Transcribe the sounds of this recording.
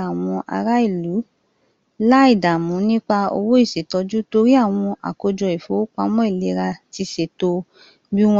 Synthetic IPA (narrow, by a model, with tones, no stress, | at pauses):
a˨w̃ɔ̃˧ʔa̰˧ɾa˦i˦˨lu˨˦ | la˦i˦˨da˨mũ˨˦nĩ˦k͡pa˧o̰˧wo˦i˦˨se˨˦tɔ˧d͡ʒu˦to˧ɾi˦a˦˨w̃ɔ̃˧ʔa̰˨ko˧d͡ʒɔ˧i˨fo˨˦k͡pa˧mɔ̃˦i˦˨le˨˦ɾa˧ti˧˨se˨to˧ | bi˦w̃ɔ̃